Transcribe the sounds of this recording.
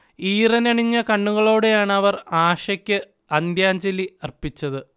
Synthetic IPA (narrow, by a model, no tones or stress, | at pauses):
iːrɐnɐɳiɲːɐkɐɳːuɣɐɭo̞ːɽe̞jaːɳɐʋɐraːʂɐkʲːɨ | ɐnd̪jaːɲd͡ʑeliɐrpit͡ɕːɐðɨ